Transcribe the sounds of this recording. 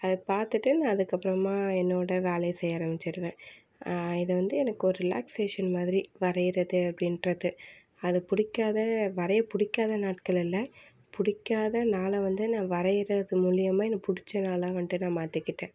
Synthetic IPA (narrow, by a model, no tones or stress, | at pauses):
ɐðɐpaːɾt̪ɯʈːɯnãːɐðɯkːɐpːɯɾɐmaːɛnːoːɽɐʋaːlɐɪsɛjːaːɾɐmɪt͡ʃːɪɾɯʋẽː | ɪðɐʋɐnd̪ɯɛnɐkːɯɔɾɯɾɪla̰ːkseːʂɐnmaːðɪɾiʋɐɾɐjɪɾɐðɯɐpːɐɽɪnɾɐðɯ | ɐðɯpʊɽɪkːaːðɐʋɐɾɐjɐpʊɽɪkːaːðɐnaːʈ̚kɐɭɪlːɐ | pʊɽɪkːaːðɐnaːlɐʋɐnd̪ɯnãːʋɐɾɐjɪɾɐðɯmuːɭɪjɐmaːɛnːɐpʊɽɪt͡ʃːɐnaːlaːʋɐnd̪ɯnãːmaːt̪ːɯkːɪʈːẽː